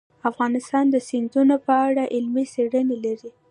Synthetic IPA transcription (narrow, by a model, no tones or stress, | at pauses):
afɣɑnɪst̪ɑnd̪əsɪnd̪unopəaɽaʔɪlmiseɽənelaɾi